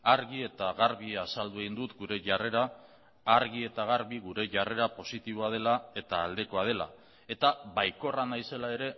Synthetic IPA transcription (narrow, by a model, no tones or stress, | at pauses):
aɾɣie̞t̪aɣaɾβiasald̪ueind̪ut̪ɡuɾe̞ʝare̞ɾaː | ɾɣie̞t̪aɣ̞aɾβiɣuɾe̞ʝare̞ɾapo̞sit̪iβo̞að̞e̞lae̞t̪aːld̪e̞ko̞að̞e̞la̰ | e̞t̪aβajko̞ranajse̞lae̞ɾe̞